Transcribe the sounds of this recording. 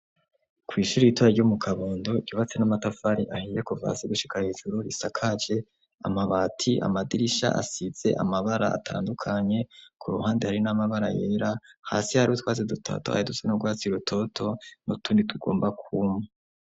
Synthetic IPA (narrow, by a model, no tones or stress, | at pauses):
kwiːʃuɾiitwaɾaɾɟumukʰaβoːndo̞ɟuβat͡se̞namatafaɾiʔahijekuva̰siɡuʃi̥kahiːʒ̥uɾuɾisakʰad͡ʒe̞ | a̰maβaːtʰiʔa̰madiɾiʃa̰ʔa̰siz̥e̞ʔa̰maβaɾa̰a̰tʰa̰ːndukʰaɲe̞kʰuɾuhaːndihaɾinamaβaɾajeːɾaha̰sihaɾiotwaːt͡sedutʰa̰toha̰jidusenoɡwaːt͡siɾutʰo̞tʰo̞nutuːnditʰuɡo̞̰ːmbakʰuma